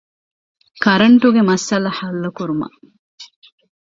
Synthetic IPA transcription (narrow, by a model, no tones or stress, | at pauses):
kɐɾɐɳʈuɡemɐsɐlɐħɐlːɐkuɾumɐ̰